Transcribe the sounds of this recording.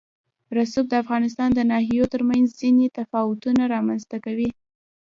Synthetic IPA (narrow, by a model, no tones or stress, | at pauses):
ɾasub̚d̪əafɣɑnɪs̬t̪ɑnd̪ənɑhijot̪əɾmanzzinet̪afɑwʊt̪unaɾɑmanzt̪akawi